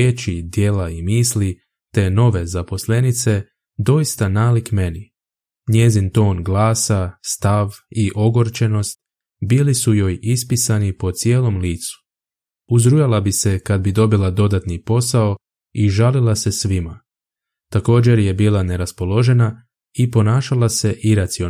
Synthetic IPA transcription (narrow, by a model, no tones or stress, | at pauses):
jet͡ʃid̪je̞laimiːsli | t̪e̞no̞ʋe̞zapo̞sle̞nit̪se̞ | d̪o̞jist̪anaːlikme̞ni | ɲje̞zint̪o̞ːnɡlaːsast̪aʋiʔo̞ɡo̞ɾt͡ʃe̞no̞st̪̚ | biːlisujo̞ːjispisanipo̞t̪sje̞ːlo̞mliːt̪su̥ | uzɾujalabise̞kad̪̚bid̪o̞bilˠad̪o̞d̪at̪nipo̞sao̞ | iʒalilˠase̞sʋima | t̪ako̞ːd͡ʑe̞ɾje̞biːlˠane̞ɾaspo̞lo̞ʒe̞na | ipo̞naːʃalˠase̞ʔiɾat̪sio